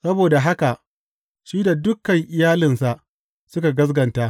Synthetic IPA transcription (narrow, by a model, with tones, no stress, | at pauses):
sɐ˦boː˨da˨ɦa˦ka˨ʔ | ʃiː˦da˨dʊ˦kɐ˨ŋʔɪ˨jaː˦lɪ˨nsa˨ʔ | sʊ˦ka˨ɡɐ˦s̬ɡɐ˨ntaː˦